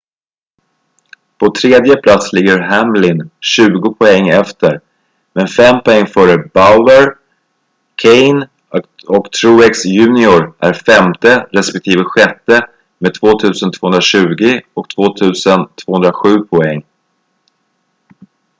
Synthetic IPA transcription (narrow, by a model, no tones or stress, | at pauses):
pʰɔt̪ʰɾeːd̪jəpʰlat̪slɪɡːəɾɦæmlɪnɕʉ̟ːɡʊpʰɔɛŋːɛft̪ʰəɾ | mɛnfɛmːpɔɛŋːfœːɾəbaʊəɾ | kʰɛjn | ɔkt̪ʰɾuːɛksjʉ̟ːnɪʊɾʔæ̰ɾfɛmt̪əɾɛspɛk̚t̪ʰiːvəɧɛt̪ːə | mɛd̪̚t̪ʰvoːt̪ʰʉ̟ːsənt̪ʰvoːhɵnd̪ɾaɕʉ̟ːɡɪɔk̚t̪ʰvoːt̪ʰʉ̟ːsənt̪ʰv̥oːhɵnd̪ɾaɧʉ̟ːpʰɔɛŋː